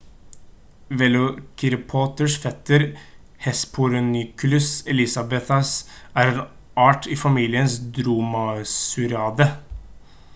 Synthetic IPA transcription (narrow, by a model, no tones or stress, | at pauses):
ʋɛlʊkʰɪɾɪpʰɔːt̪əʂfɛt̪ːəɾ | hɛspʰʊɾʊnʏkʉlʉsɛlɪsɑbɛt̪ɑsæːɾeːn | ɑːʈʰiːfɑmiːlɪənsd̪ɾuːmɑsʉɾɑːd̪ə